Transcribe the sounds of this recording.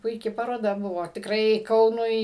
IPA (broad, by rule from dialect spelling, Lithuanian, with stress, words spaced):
pʊɪˈkʲɪ pɐroːˈdɐ ˈbʊʋoː tʲɪkˈrɐɪ ˈkɐʊnʊɪ